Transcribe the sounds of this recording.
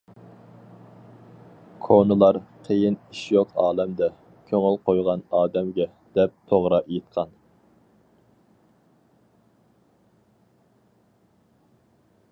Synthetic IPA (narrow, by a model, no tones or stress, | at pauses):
kʰonɨlˠɑɾqʰejɪniʃjoqʰɑːlˠɛmd̪ɛ | kʲʰøŋɪlˠqojʁɑnɑːd̪ɛmɡʲɛ | d̪ɛp̚t̪ʰoʁɾɑjet̪̚qʰɑn